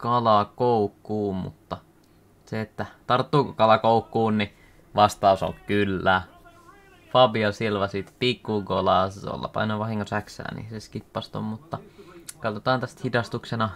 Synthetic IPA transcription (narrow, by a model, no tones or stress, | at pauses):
kɑlɑkoukːuːmmṵt̪ːɑ | seet̪ːæt̪ɑrt̪ːuːkokɑlɑkoukːuːnni | ʋɑst̪ɑuso̰lkkylːæː | fɑbiɑsilʋɑsit̪pikːuɡolɑˑso̰lːɑ̰pɑ̰inoʋɑhiŋkosæksæ̰ːnḭseskipːɑst̪o̰mmut̪ːɑkɑt̪ot̪ɑːnt̪æst̪hidɑst̪uksenɑ